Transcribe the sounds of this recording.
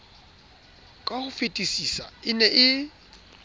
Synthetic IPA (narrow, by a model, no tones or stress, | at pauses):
kʼahʊfetʼisisa̰ɪnɛʔɪ